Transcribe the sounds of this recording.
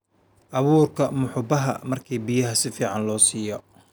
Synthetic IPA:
ʔɑβuːrkʰɐmʊħʊbɐɦɐ̰mɐrkʰiːbijɐɦɐsɪfiːʕɑnlɔːsiːjɔ

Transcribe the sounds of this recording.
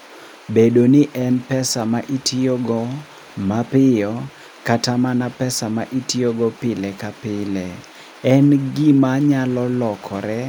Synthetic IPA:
bedonɪʔɛnpɛsamaʔitʰioɡɔ | mapɪjɔ | katamanapɛsamaʔitioɡɔpɪlɛkapɪlɛ | ɛnɡɪmaɲalɔlɔkʰɔɾɛ

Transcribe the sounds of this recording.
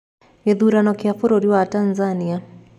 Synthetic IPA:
jeðuɾanɔkiafoɾoɾiwatanzania

